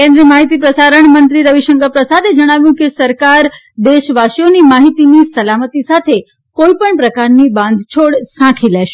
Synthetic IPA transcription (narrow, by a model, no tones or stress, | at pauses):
kẽnd̪ɾiəmaɦit̪ipɾəsaɾəɳmənt̪ɾiɾəʋiʃəŋkəpɾəsad̪ed͡ʒəɽ̃aʋjũkesəɾkaɾ | d̪eʃʋaʃjonimaɦit̪inisəlamət̪isat̪ʰe | koipəɳpɾəkaɾnibãnd̪ʱt͡ʃʰoɽsãkʰileʃ